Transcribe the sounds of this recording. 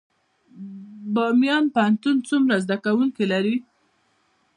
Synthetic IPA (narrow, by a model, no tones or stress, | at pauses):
bɑmijɑnpəant̪unt͡sumɾazd̪akawuŋkilaɾi